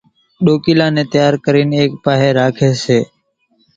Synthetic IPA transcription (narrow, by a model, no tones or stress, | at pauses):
ɗoːkiːlãːnẽːt̪ɪjaːɾkəɾiːneːk̚paːɦeːɾaːkʰeːseː